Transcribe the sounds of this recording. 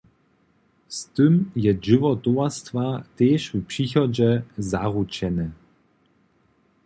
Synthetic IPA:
st̪ɨmjɛʒɨvɔt̪uast̪vat̪ɛːʃupʂixɔd͡ʑɛzaɣut͡ɕɛnɛ

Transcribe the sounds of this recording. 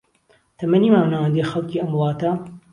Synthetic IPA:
t̪ʰɐmɐniːmaːwnawɐnd̪exɐlˠkiːɐmwʊlˠɑːt̪ɐ

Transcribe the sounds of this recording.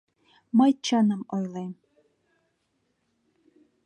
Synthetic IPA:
məjt͡ɕɑnɤmojlˠejm

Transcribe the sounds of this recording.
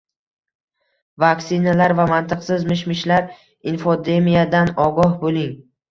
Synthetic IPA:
vaksɪnalaɾvamant̪ʰɨqsɪzmɪʃmɪʃlaɾ | infod̪e̞mijad̪anɒɡɒhbolɪŋ

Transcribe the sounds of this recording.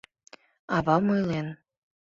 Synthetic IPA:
ɑβɑmɯjlen

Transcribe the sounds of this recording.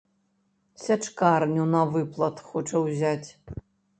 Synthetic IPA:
sʲɐʈ͡ʂkarnʲunɐvɨplˠɐt̪χoʈ͡ʂʰɐwzʲatʲ

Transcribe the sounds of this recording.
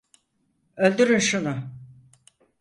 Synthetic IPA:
ø̞lʲd̪yɾynʃunʊ

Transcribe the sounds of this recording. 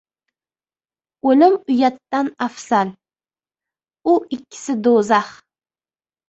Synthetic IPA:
olɪmʊjat̪ːanafsal | ʊɪkʲʰːɪ̥sɪd̪ozah

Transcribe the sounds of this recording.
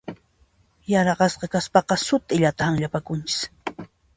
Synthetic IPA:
jɑɾɑɢɑsqɑkaspɑqɑsʊt̪ɪʎat̪ahaŋʎapakʊnt͡ʃɪ̥s

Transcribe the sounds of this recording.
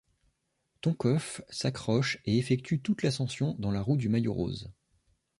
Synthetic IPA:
t̪ɔ̃kɔfsakχɔʃeefɛk̚t̪yt̪ut̪lasɑ̃sjɔ̃d̪ɑ̃laʁut̪̚d̪ymajo̰ʁo̰z

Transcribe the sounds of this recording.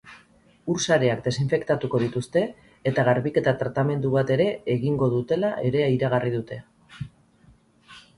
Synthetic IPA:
uɾsaɾe̞akd̪e̞siɱfe̞kt̪at̪uko̞ð̞it̪ust̪e̞ː | t̪aɣ̞aɾβike̞t̪at̪ɾat̪ame̞nd̪uβat̪e̞ɾe̞eɣiŋɡo̞ðut̪e̞laʔe̞ɾe̞iɾaɣ̞arið̞ut̪e̞

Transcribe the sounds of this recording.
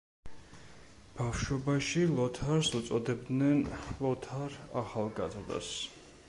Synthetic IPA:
b̥afʃwɔbaʃilˠɔt̪ʰaɾsut̪sʼɔd̪ɛbd̪nɛnlˠɔt̪ʰaɾaχalˠɡazɾd̪a̰s

